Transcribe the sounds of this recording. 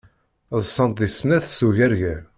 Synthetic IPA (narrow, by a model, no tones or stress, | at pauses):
ðsˤːɑnt̪isnæθsuʝæɾʝæ